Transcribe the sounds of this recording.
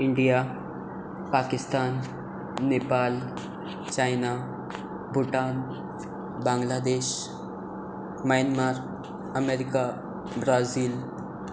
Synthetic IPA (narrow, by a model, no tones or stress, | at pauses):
ɪɳɖija | paːkɪst̪aːnː | eːpaːl | t͡ʃaːjna | bʊʈaːn | bãːŋɡlaːd̪eːʃ | majnmaːɾ | ɐmeːɾika | bɾaːziːl